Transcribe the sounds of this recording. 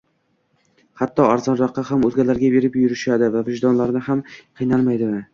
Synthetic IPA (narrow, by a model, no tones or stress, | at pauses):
hat̪ːɒaɾzɒnɾɒqːɑhamɵzɡʲalaɾɡʲabe̞ɾɪpjʊɾɪʃad̪ɪvavɪʒd̪ɒnlaɾnɪhamqʰɨjnalˠmajd̪ɪmɪ